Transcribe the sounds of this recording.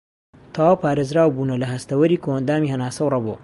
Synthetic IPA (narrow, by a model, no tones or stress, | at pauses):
t̪ʰawaːwpaːɾezɾaːwbuːnɐlɐɦɐst̪ɐwɐɾikoɐnd̪aːmiːhɐnaːsɐwrɑboː